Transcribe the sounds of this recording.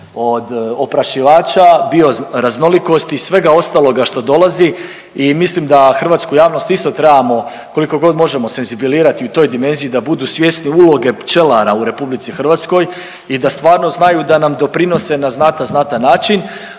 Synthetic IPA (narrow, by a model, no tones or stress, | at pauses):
o̞d̪opɾaʃiʋaːt͡ʃabio̞ɾazno̞liko̞st̪iisʋe̞ɡao̞st̪alˠo̞ɡaʃt̪o̞d̪o̞lˠazi | imislimd̪axr̩ʋat̪skujaːʋno̞st̪ist̪o̞t̪ɾebamo̞ | ko̞liko̞ɡo̞d̪mo̞ʒe̞mo̞se̞nzibiliːɾat̪iut̪o̞jd̪ime̞nzijid̪abud̪usʋje̞sniulˠo̞ɡe̞t͡ʃe̞laɾauɾe̞publit̪sixr̩ʋat̪sko̞j | id̪ast̪ʋaːɾno̞znajud̪anamd̪o̞pɾino̞se̞naznat̪aznat̪anːaːt͡ʃin